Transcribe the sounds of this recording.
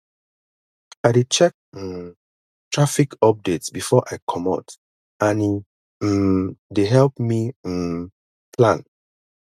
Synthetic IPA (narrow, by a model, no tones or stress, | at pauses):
aɪdet͡ʃɛk̚ | tɹafikɔp̚detsbifɔʔaɪkʰɔmɔ̰t | ani | deɦɛlpmĩ | pʰlãn